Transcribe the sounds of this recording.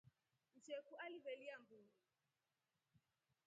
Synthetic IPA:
n̩d͡ʒɛkualiβɛliambuu

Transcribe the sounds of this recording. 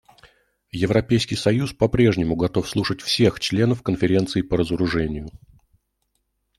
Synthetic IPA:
jɪvɾɐpʲejskʲɪjsɐjuspɐpɾʲe̞ʐnʲɪmʊɡɐt̪o̞fslˠuʂətʲfsʲe̞xt͡ɕlʲe̞nəfkənfʲɪɾʲe̞nt̪sɨːpəɾəzəɾʊʐɛnʲɪjʊ

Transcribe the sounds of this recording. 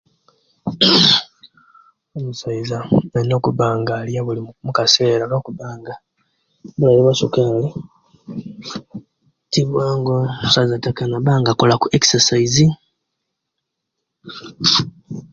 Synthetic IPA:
omusaizaenokuβaːŋɡaːljaβulimukumukase̞ːɾanokuβaːŋɡa | bulajiβasukale | tiβwaːŋɡousazatakanaβaːŋɡakolakuʔeksasaizi

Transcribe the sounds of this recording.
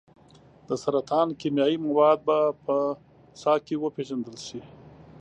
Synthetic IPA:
d̪̥əsaɾat̪ʰɑnkimjɑjimawɑd̪̚bapə | sɑkewəpeʒand̪əlʃi

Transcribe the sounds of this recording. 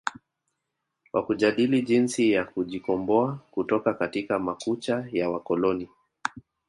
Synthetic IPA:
kwʔakuʄaɗiliʄinsijakuʄikɔmbɔakutɔkakatikamakut͡ʃajawakɔlɔni

